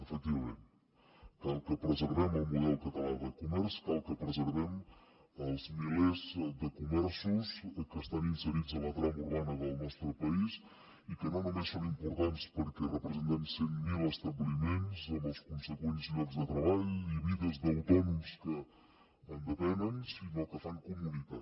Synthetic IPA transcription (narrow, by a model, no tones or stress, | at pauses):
əfək̚t̪iβɐmẽnt̪ | kalˠkəpɾəzəɾβɛməlˠmuðɛlˠkət̪əlaðəkumɛɾskalˠkəpɾəzəɾβɛm | əlˠzmilezðəkumɛɾsuskəst̪aninsəɾid̪zələt̪ɾamuɾβanəðəlˠnɔst̪ɾəpɐis | ikənãw̃nɐ̃mẽsõñimpuɾt̪ant̪spəɾkərəpɾəzẽnt̪ɛmseŋmiləst̪ɐβlˠimẽnsomɐwskũnsəkwenizlɔɾzðət̪ɾɐβaʎuiβiðɐzðɐwt̪ɔnumskə | ɐnd̪əpɛnənsinokəfaŋkumunika